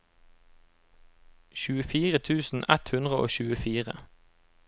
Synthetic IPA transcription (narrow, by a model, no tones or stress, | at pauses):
çʉːəfiːʁət̪ʰʉːsn̩ʔɛt̪hʉnd̪ʁəʔo̰ːçʉːəfiːʁə̰